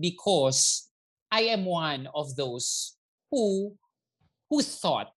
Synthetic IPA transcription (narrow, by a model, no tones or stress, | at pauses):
bikʰɔs | ajɛ̃mwãnɔfðos | hu | huθɔ̰t̚